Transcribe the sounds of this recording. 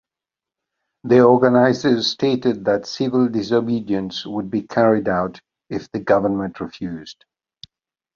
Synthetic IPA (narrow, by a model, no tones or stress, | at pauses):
ðiɔɹɡənaɪzə˞z̥stʰeɪɾɨd̪̚ðɨtsɪvəlˠdɪs̬obidiɨ̃nswəd̚bikʰæɹidaʊɾ | ɪfðɨɡʌvə˞mə̃nʔɹɨfjʉz̥d̥